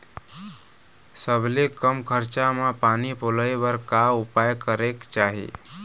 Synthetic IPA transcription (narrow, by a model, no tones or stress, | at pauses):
səbʱlekəmkʰəɾt͡ʃamapanipoləjbəɾkaupajkəɾekt͡ʃaɦḭ